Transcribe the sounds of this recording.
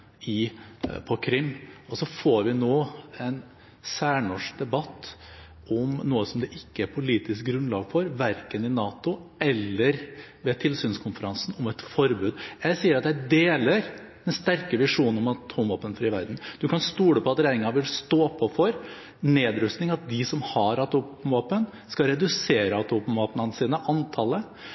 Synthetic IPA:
ɪpʰɔkʰɾɪmːɔsɔfoːɾʋɪnoːɛn | sæːɳɔʂd̪ɛbɑt̪ː | ɔmnuːəsɔmd̪ɛʔɪkːəæɾpʰʊliːt̪ɪsk̚ɡɾʉnlɑːɡfɔɾʋæɾkənɪnɑːt̪ʊɛlːəɾ | ʋɛt̪ʰɪlsyːnskʰʊnfəɾɑnsn̩ɔmɛt̪fɔɾbʉːd̪jæɪsiːəɾɑt̪jæɪd̪eːləɾ | d̪ɛnst̪æɾkəʋɪʂuːnnɔmɑt̪ʰuːmʋoːpənfɾiːʋæɾd̪n̩d̪̥ʉkɑnst̪uːɽəpʰɔɑt̪ɾæɪnɪŋɑʋɪlst̪oːpʰɔfɔɾ | neːd̪ɾʉst̪nɪŋɑt̪̚d̪ɪsɔmhɑɾɑt̪upmʋoːpən | skɑɾɛd̪ʉseːɾəɑt̪ʰuːpmʋoːpənənsiːnəʔɑnt̪ʰɑlːə

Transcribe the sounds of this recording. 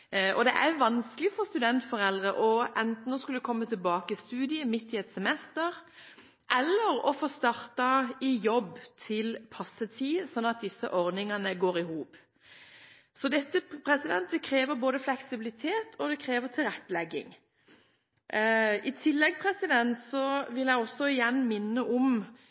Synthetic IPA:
ʔɔd̪ɛ̰ʔæjʋɑnsklɪfɔʁst̪ʉd̪ɛnt̪fɔʁɛld̪ʁəʔɔʔɛnt̪n̩ɔskʉld̪əkʰɔmːət̪ʰɪlbɑːkəɪst̪ʉːd̪ɪəmɪt̪ːɪɛt̪sɛmɛst̪əʁ | ʔɛlːəɾɔfoːst̪ɑʁt̪ɑɪjɔbt̪ʰɪlpʰɑsːət̪ʰiːsɔnːɑt̪̚d̪ɪsːəʔɔʁd̪nɪŋɑnəɡoːɾɪhuːp | sɔd̪ɛt̪ːəpʰɾɛsɪd̪ɛnt̪̚d̪ɛkʰɾeːʋəɾboːd̪əflɛksɪbɪlɪt̪ʰeːt̪ʰɔd̪ɛkʰɾeːʋət̪ʰɪlʁɛt̪ːəlɛɡːɪ̰ŋ | ɪt̪ʰɪlːɛɡpʰʁɛsɪd̪ɛnt̪sɔʋɪljæɪɔsːɔɪjɛnːmɪnːəʔɔm

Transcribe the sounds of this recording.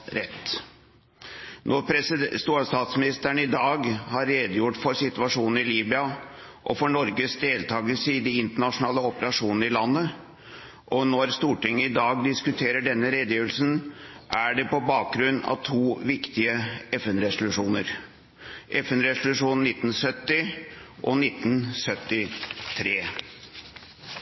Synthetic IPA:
ɾɛt̪ː | nʔɔɾpʰɾɛst̪uːɑst̪ɑːt̪smɪnɪst̪əɳəɪd̪ɑːɡhɑɾːeːd̪əjʊʈfɔɾsɪt̪ʉɑʂuːnn̩ɪliːbɪɑ | ʔɔfɔɳɔɾɡəsd̪eːlt̪ʰɑːɡəlsəɪd̪ɪɪnt̪əɳɑʂʊnɑːləɔpəɾɑʂuːnn̩əɾɪlɑnːə | ʔɔnoæɾst̪uːʈɪŋːəɪd̪ɑːɡ̚d̪ɪskʉt̪ʰeːɾəɖɛnːəɾeːd̪əjøːʋəlsnʔæɖɛpɔbɑːk̚ɡɾʉnːɑ̰ʋt̪ʰuːʋɪkt̪ɪəɛfɛnɾɛsʊlʉʂuːnəɾ | ʔɛfɛnɾɛsʊlʉʂuːnːɪt̪ːn̩sœt̪ːɪʔɔnɪt̪ːnsœt̪ːɪt̪ʰɾeː

